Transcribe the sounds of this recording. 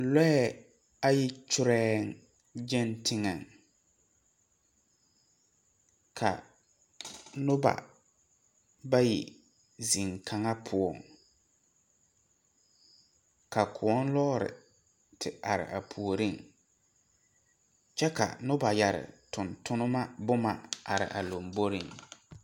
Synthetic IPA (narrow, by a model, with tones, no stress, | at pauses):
lɛ˦ɛ˦˨ | a˦jɪ˦t͡ʃʊ˦ɾɛː˦ŋ˦ | d͡ʒɛ˦ntʰɪ˦ŋa˨ŋ | kʰa̰˨ | nʊ˦ba̰˨ | ba˦jɪ̰˨ | zi˨ŋkʰa˨ŋa˦pʰʊ˦ɔ˨ŋ | ka˨kʰʊ˨ɔ˦n˦lɔ˦ɾɪ̰˨ | tʰɪ˨a˨ɾɪ̰˨ʔa˨pʰu˨o˨ɾi˦˨ŋ | t͡ʃɛ˦ka̰˨nʊ˦ba˨ja˨ɾɪ̰˨tʊ˨ntʊ˦nʊ˦ma˦bʊ˦ma˨a˨ɾɪ̰˨ʔa˨lo˨mbo˦ɾi˦˨ŋ